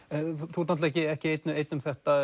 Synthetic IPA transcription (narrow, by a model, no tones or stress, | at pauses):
t̪ʰuːt̪ant̪ɛcɪɛhcɪeːjt̪nʏejt̪nʏmθɛht̪a